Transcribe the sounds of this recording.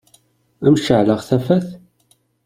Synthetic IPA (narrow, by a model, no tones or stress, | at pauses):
æmʃəʕləʁθæfæθ